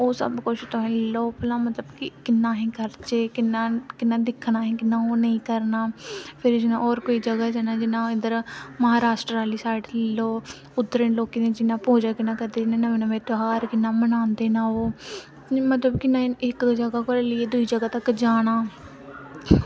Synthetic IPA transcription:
oːsə̰bkʊt͡ʃʰt̪ʊɦɛ̃ːloːplaːmət̪ləbkɪkɪnːaːɦĩːkəɾt͡ʃeːkɪnːaːkɪnːaːd̪ɪkʰːnaːɦĩːkɪnːaːoːnəĩːkəɾnaːpʰɪɾd͡ʒɪnã̰ːɔːɾkoːiːd͡ʒəɡaːd͡ʒanaːd͡ʒɪnãːɪnd̪əɾməɦaːɾaːʃʈɾaːliːsaːɪʈloː | ʊd̪əɾənloːkinẽːd͡ʒɪnãːpoːd͡ʒaːkɪnãːkəɾd̪eːd͡ʒnãːnaːmenãːʋẽːt̪ʊɦaːɾkɪnːaːmənãːnd̪eːnaːoː | mət̪ləbkɪnãːɪkd͡ʒəɡaːkoɾelɪeːd̪ʊiːd͡ʒəɡaːt̪əkd͡ʒaːɽ̃aː

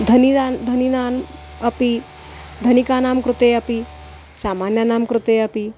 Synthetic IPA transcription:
d̪ʱɐniand̪ʱɐninaːn | ɐpi | d̪ʱɐnikaːnaːmkɾut̪eːɐpi | saːmaːnjɐnaːmkɾut̪eːɐpi

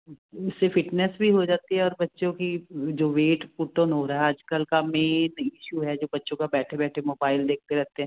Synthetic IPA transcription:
ʊsːefɪʈnɛsbʱiɦod͡ʒaːt̪iɦɛɔːɾbɐtːʃõkid͡ʒoːʋeːʈpuʈonɦoɾɐɦɛaːd͡ʒkəlkameːnɪʃuɦɛd͡ʒoːbɐtːʃõkabɛːʈʰebɛːʈʰemoːbaːɪld̪eːk̚t̪eɾɛɦt̪eɦɛ̃ː

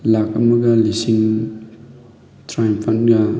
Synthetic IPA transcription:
lak̚ɐ̰mɐɡɐlisiŋ | tɾajmpʰɐnɡa

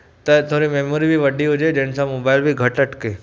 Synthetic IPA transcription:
t̪ɐt̪ʰoɾimemoɾibʱiʋəɖiɦod͡ʒed͡ʒẽnsãmobaɪlbʱiɡʱəʈəʈke

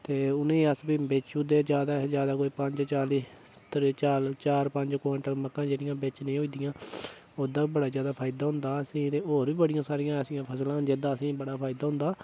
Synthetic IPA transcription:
t̪eːʊnẽːəsbiːbɪt͡ʃud̪eːd͡ʒjaːd̪aːd͡ʒjaːd̪aːkoːiːpəɲd͡ʒt͡ʃaːliː | t̪ɾt͡ʃaːlt͡ʃaːɾpəɲd͡ʒkːɛ̃ɳʈəɾməkːãːd͡ʒeːɽɪjãːbɪt͡ʃnĩːɦoiːd̪ɪjãː | oːd̪ãːbəɽaːzjaːd̪aːpʰaːɪd̪aːɦʊ̃nd̪aːəsĩːt̪eːoːɾʋiːbəɽɪjãːsaːɾɪjãːəsĩjãːpʰəslãːd͡ʒɪd̪ãːəsĩːbəɽaːpʰaːɪd̪aːɦʊ̃nd̪aː

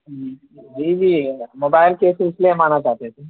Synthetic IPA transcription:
d͡ʒi | d͡ʒiːd͡ʒiːmoːbaːɪlkeːsɪslemaːnat͡ʃaːt̪et̪ʰe

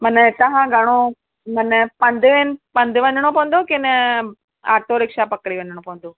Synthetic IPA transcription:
mənt̪ɐɦãɡʱɐɽ̃o | mənpɐ̃nd̪ʱʋenpɐ̃nd̪ʱəʋɐnɽ̃opɐ̃ʋə̃n̆d̪okɪnɛ | a̰ːɾt̪ʰoɾɪkʃapɐkɽiʋɐɲəɽ̃õpɐʋə̃nd̪oː

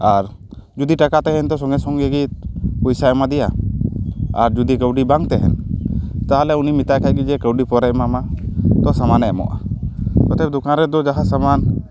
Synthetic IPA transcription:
aɾd͡ʒud̪iʈakat̪ɛɦɛnt̪ɔsɔŋɡɛsɔŋɡɛɡit̪pɔjsaɛmad̪ija | a̰ɾd͡ʒud̪ikəwɖibaŋt̪ɛɦɛ̰nt̪aɦalɛunimit̪ajkʰajɡid͡ʒɛkəwɖipɔɾɛʔmamat̪ɔsamanɛmɔ̰ʔa̰kɔt̪ɛp̚d̪ukanɾɛd̪ɔd͡ʒaɦasaman

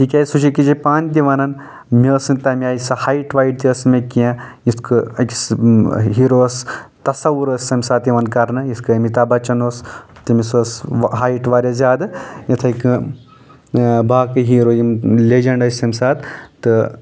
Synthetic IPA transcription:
kikʲajsut͡ʃʰikid͡ʒipaːnd̪̬ʲiʋɐnɐn | mʲeːsɨnt̪ɐmiaːjisɐhaːiʈʋaːiɖt̪iəsmekiã | jist̪kʰɨɐkʲsɦiːɾost̪ɐsɐʋuɾəsʲsɐmʲsaːt̪jiʋɐnkɐɾnɨjiskɨɐmit̪ɐbɐt͡ʃɐnoːst̪imisosɦaːiʈʋaːɾʲɐzʲaːd̪ɨjit̪ʰɐkɨ | baːkɨɦiːɾoːjimlʲed͡ʒɐɳɖɐsʲsɐmʲisaːt̪ːɨ

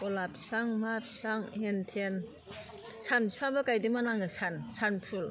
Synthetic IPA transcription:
kɔlap̚si̥pʰaŋmap̚si̥pʰaŋhentʰen | sʰansi̥pʰaŋbakajdimanaŋasʰansanpʰul

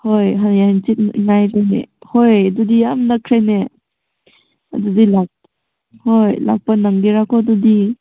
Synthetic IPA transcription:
hojɦaaant͡ʃit̚ŋajɾajnḛhojadudiamnakʰɾajne | a̰dudilak̚ | hojla̰k̚pɐnaŋɡiɾakɔdudi

